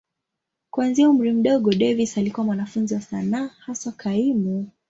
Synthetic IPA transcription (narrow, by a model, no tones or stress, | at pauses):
kwanziaum̩ɾim̩ɗɔɠɔɗɛvisalikuwamwanafunziwasanaːhasakʰaimu